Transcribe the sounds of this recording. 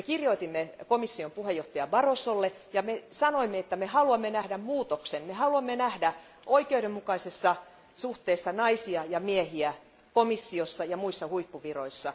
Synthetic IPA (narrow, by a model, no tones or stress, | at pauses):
ekirjoit̪imːekomisːiompuhejoht̪ɑjɑbɑrosolːe | jɑmesɑnoimːeet̪ːæmehɑluɑmːenæhdæmmuːt̪oksenmehɑluɑmːenæhdæ | ʔoikeuɾemmukɑisesːɑ | suht̪eːsːɑnɑisiɑjɑmiehiæ | komisːiosːɑjɑmuisːɑhuipːuʋiroisːɑ